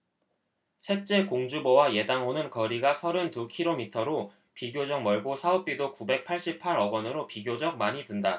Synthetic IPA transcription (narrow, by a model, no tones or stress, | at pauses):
sʰe̞t͡ɕ͈e̞koŋd͡ʑubʌwaje̞daŋɦonɯnkʌɾiɡasʰʌɾɯntukʰiɾomitʰʌɾo | piɡjod͡ʑʌŋ̚mʌɭɡosʰaop̚p͈idokube̞k̚pʰaɭɕ͈ip̚pʰaɾʌɡwʌnɯɾopiɡjod͡ʑʌk̚maɲitɯnda